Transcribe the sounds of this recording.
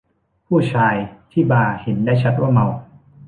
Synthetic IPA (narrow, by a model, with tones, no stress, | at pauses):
pʰuː˥˩t͡ɕʰaː˧jt̪ʰiː˥˩baː˧he˩˦ndaː˥˩jt͡ɕʰa˦˥t̪̚waː˥˩ma˧w